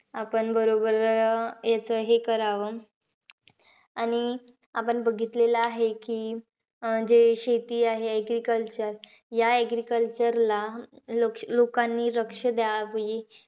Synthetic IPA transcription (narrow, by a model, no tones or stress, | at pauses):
apəɳbəɾobəɾjat͡səɦekəɾaʋə | aɽ̃iapəɳbəɡʱit̪leləaɦekiː | d͡ʑeɕet̪iːaɦeɛɡɾikəlt͡ɕəɾ | jaɛɡɾikəlt͡ɕəɾlaloklokãnːiːɾəkʂəd̪jaaʋji